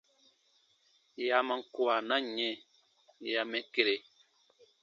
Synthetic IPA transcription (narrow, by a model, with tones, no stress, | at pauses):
ja˨ma˨ŋ̩˨ku˦a˨na˦ɲɛ˦˨ | ja˨mɛ˨ke˦ɾe˨